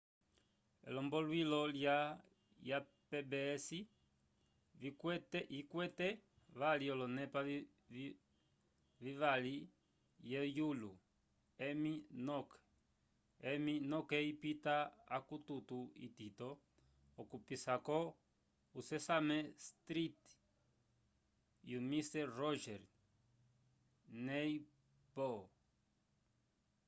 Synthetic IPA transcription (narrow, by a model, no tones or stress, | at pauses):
ɛ̰lɔmbɔlwilɔlja | ja | pɛbɛsi | vikɛtikwɛtɛ | ʋaliɔlɔnɛpa | viʋali | jɛjulu | ɛminɔkɛ̥ | ɛminɔkɛipitaakut̪utuḭtit̪ɔː | kupisakɔ | usɛsamɛst̪ɾit | jumistɛrɔʒɛɾ | nɛi | bɔ